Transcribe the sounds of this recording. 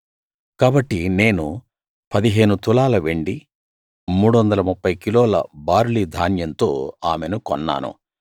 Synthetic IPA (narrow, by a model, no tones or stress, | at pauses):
kaːbɐʈːine̞ːnu | pɐd̪iɦe̞ːnut̪ulaːlɐʋeɳɖi | muːɽuʋɐnd̪ɐlɐmupːɐjkiloːlɐ̰baːɾlid̪ʱaːnjɐnt̪o̰ːaːmenukɔnːa̰ːnṵ